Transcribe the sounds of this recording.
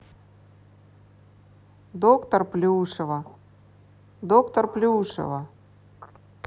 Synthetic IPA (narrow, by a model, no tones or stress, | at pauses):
d̪okt̪ərplʲɪuʂɨvə | d̪okt̪ərplʲɪuʂə̰və